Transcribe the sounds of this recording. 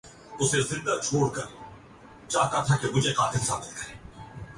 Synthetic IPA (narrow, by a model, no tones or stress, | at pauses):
ʊsezɪ̃nd̪at͡ʃʰoːɽkɐɾiː | t͡ʃaːk̪at̪ʰakemʊd͡ʒʱeqaːt̪ɪlsa̰ːbɪt̪̚kɐɾeː